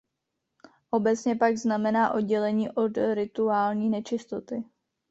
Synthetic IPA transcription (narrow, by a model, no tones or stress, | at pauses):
ʔo̞bɛt͡sɲɛpaɡznamɛnaːʔo̞d̚ɟɛlɛɲiːʔo̞d̪ɾɪt̪uaːlɲiːnɛt͡ʃɪst̪o̞t̪ɪ